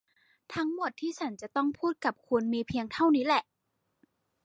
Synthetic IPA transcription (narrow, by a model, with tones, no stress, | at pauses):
t̪ʰa˦˥ŋmo˨˩t̪ʰːiː˥˩t͡ɕʰa˩˦˥nt͡ɕa˨˩ʔt̪ɔ˥˩ŋpʰuː˥˩t̪̚ka˨˩p̚kʰu˧nmiː˧pʰi˧əŋt̪ʰa˥˩wniː˦˥lɛ˨˩ʔ